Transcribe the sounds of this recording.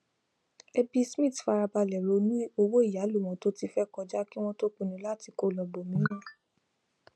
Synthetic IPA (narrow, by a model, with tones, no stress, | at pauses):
e˧bi˦˧smĩ˦˨tfa˧ɾa˧ba˧lɛ˨ɾo˨˧nũ˦o˧wo˦i˦˨ja˨˦lu˦˨w̃ɔ̃˨˧˦to˦ti˧fɛ˦kɔ˧d͡ʒa˦ki˦w̃ɔ̃˦to˦k͡pũ˧˨nĩ˨˦la˦˨ti˧ko˦lɔ˧bo˨mĩ˦ĩ˦